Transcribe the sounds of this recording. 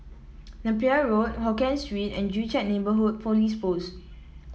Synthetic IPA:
nɛ̃piaɹot̚hɔkɛ̃nstɹwitɛ̰̃nd͡ʒut͡ʃɛt̚nebəɦut̚fɔlispos

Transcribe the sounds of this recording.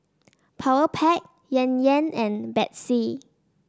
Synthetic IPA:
pʰawəpʰɛk̚ | jɛ̃njɛ̃nɛ̃nbɛt̚si

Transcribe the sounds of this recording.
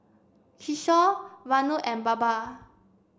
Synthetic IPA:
kʰiʃɔvanuʔɛnbaba

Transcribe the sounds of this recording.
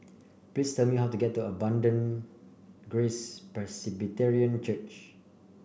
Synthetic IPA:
plistɛlmiɦawtuɡɛtːuəbãndə̃n | ɡɹespɹɛsibitɛɹiə̃nt͡ʃət͡ʃ

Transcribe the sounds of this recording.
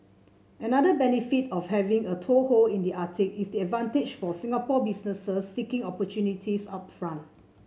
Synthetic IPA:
ənadəbɛnifitɔfhɛvĩŋətʰoholĩndiʔatikisdiɛdvãnted͡ʒfɔsĩŋapɔbisnəsəsːikɪ̃ŋɔpɔtjunitʰisa̰tfɹãnt

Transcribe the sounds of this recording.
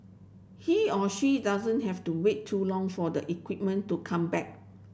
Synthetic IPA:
hiɔʃidazə̃nɦɛftuwetʰːulɔ̃ŋfɔdəʔikwip̚mə̃ntːukʰãmbɛk̚

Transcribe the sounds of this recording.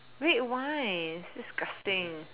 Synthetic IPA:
ɹeʔwaɪsd̥ɪsɡ̥ʌstɪ̃ŋ

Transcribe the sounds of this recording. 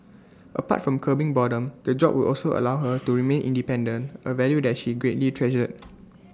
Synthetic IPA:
ʔəpa̰tfɹɔ̃mkʰəbĩŋbɔdə̃mdəd͡ʒɔb̚wudʔɔlsoʔə̰lawɦətuɹimẽnʔḭ̃ndipɛ̃ndə̃nəvɛljudɛt̚ʃiɡɹetlitʰɹɛd͡ʒəd̚

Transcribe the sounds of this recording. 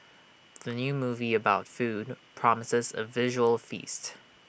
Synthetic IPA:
ðənjʉmuːviəbaʊtfud̚pʰɹ̥ɑməsɪzə̰vɪʒəwəlˠfḭst

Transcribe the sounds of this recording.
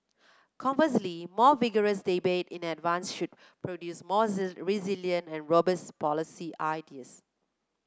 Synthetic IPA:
kʰɔ̃ɱəslimɔːviɡəɹəsdibetɪ̃nɛdvãnsʃʊd̚ | pɹodjusmɔɹiziljə̃ntɛ̃nɹobəspɔlisiʔaɪdiəs

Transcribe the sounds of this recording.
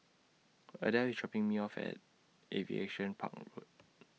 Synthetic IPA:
ədawit͡ʃɔpĩŋmiɔfɛ̰t̚ | ʔevḭḛʃə̃npʰa̰k̚ɹot̚

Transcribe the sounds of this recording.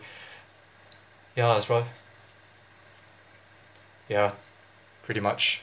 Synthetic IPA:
jæazɹaɪ | jæ | pʰɹ̥ɪɾimʌt͡ʃ

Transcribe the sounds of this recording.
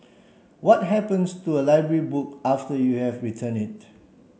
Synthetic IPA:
wɔt̚ɦɛpə̃nstuəlaɪbɹəɹibuk̚aftəjuhɛvɹitʰə̃nit̚

